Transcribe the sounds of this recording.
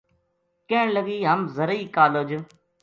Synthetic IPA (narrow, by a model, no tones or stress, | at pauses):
kẽːləɠiːɦəmzəɾəiːkaːloːd͡ʒ